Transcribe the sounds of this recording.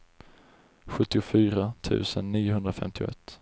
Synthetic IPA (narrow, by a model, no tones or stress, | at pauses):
ɧɵt̪ːɪʊfyːɾat̪ʰʉ̟̰ːsənːiːjʊɦɵnd̪ɾafɛ̰mt̪ʰɪʊ̰ʔɛ̰t̪ː